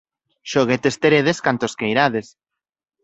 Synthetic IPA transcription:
ʃoɣet̪est̪eɾeðeskant̪oskejɾaðes

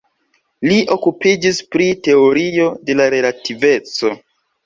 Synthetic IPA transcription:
liʔo̞kupid͡ʒispɾite̞o̞ɾio̞de̞laɾe̞lative̞t͡so̞

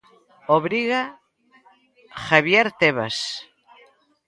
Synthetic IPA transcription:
oβɾiɣa | xaβjeɾt̪eβas

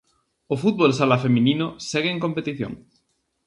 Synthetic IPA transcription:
ofut̪̚βols̬alafemĩninosɛɣeeŋkompet̪iθjo̰ŋ

